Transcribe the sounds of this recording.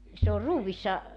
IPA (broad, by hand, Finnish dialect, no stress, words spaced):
se or ruːʋisːɑ